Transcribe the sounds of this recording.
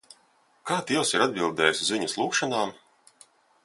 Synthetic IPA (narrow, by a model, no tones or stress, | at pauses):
kaːt̪ʲiɛwsiɾad̪̚bilˠd̪ɛːjszvʲiɲaslˠuːkʃanaːm